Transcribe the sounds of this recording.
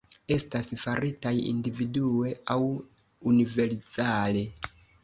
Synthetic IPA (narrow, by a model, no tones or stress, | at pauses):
e̞stasfaɾitajḭndividue̞aw | unive̞ɾzale̞